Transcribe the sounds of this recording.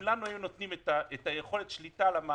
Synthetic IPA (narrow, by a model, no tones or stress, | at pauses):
lanuajuno̞t̪nimet̪aet̪aje̞χo̞let̪ʃlit̪aːlama